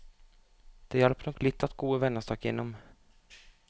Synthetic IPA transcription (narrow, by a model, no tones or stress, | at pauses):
d̪̥ɛjɛlpnɔklɪt̪ʰːat̪ɡ̥oːɪvɛnːast̪ʰɑːkjḛnːɔm